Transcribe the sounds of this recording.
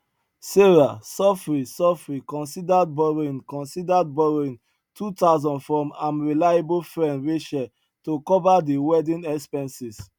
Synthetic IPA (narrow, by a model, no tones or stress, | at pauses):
seɹasɔfɹisɔfɹikɔ̃nsidad̚bɔɹĩnkɔ̃nsidad̚bɔɹĩn | tʰutazɔ̃ndfɹɔ̃mãnɹilajabofɹɛ̃ndɹeʃɛ | tokɔvadiwɛdĩnɛkspɛ̃nsis